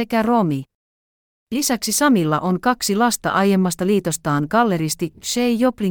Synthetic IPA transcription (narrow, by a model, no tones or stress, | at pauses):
e̞kæro̞mi | lisæksisɑmilːɑ̰ʔo̞ŋkɑksilɑst̪ɑ̰ʔɑje̞mːɑst̪ɑliːt̪o̞st̪ɑːŋkɑlːe̞ɾist̪iʃejjo̞pliŋ